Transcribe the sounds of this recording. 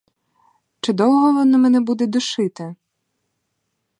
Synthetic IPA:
t͡ʃɪd̪ɔw̪ˠɦɔʋɔnɪmɛnɛbud̪ɛd̪ʊʃɪt̪ɪ

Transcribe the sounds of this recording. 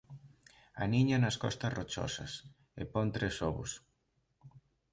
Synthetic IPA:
ɐ̰niɲɐnɐskɔ̰st̪ɐrot͡ʃɔ̰sɐs | epɔnt̪ɾesɔβʊ̰s

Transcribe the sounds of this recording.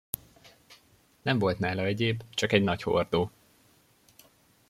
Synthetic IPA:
nɛɱvo̞lt̪naːlɒɛɟeːbt͡ʃɒkɛɟnɒcho̰rd̪oː

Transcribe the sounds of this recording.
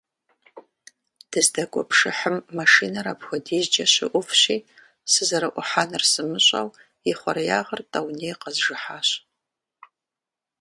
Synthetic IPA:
d̥ɨzdɐkʷʼʊ̰pʰʂɨ̰ħəmːaʂiːnɐɾaːpʰxʷɔdiːzd͡ʒɐɕɪ̰ʔʷʊfɕiː | sɨzɐɾɨʔʷʊħaːnɨrsɨmɨɕʼɐ̰w | iχʷɔ̰ɾjaːʁɐrtʼɐwneːjqɐzʒɨħaːɕ

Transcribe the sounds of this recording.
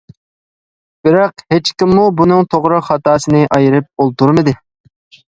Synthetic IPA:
b̥ɪɾɑqhet͡ʃkʲimːubunɨŋt̪ʰoʁɾɨχɑt̪ɑːsɨnɨʔɑjɪɾɨp̚olˠt̪uɾmɨd̪ɨ

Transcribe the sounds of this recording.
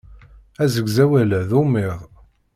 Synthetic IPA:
æzəɡzæwælæðumɪʁˤ

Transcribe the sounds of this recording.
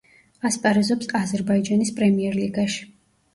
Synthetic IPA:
aspʼaɾɛzɔpsazɛɾbaid͡ʒanispʼɾɛmiɛɾliɡaʃi̥

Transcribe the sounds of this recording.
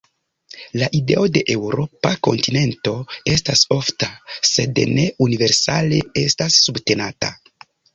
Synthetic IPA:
laʔide̞̰o̞de̞ʔe̞wɾo̞pako̞̰ntine̞nto̞e̞staso̞ftase̞dene̞unive̞ɾsa̰le̞e̞stasːubte̞nata̰

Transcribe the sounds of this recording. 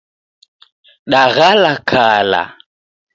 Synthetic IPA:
ɗaɣalakʰala̰

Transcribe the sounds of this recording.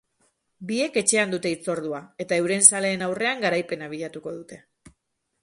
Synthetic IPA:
bie̞ke̞t͡ʃe̞and̪ut̪e̞it͡so̞ɾðuae̞t̪ae̞wɾe̞nsale̞ːnawre̞aŋɡaɾajpe̞naβ̞iʎat̪uko̞ðut̪e̞

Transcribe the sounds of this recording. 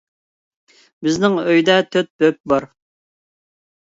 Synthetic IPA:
bɪznɪŋøjd̪ɛt̪ʰøt̪̚bøp̚bɑɾ

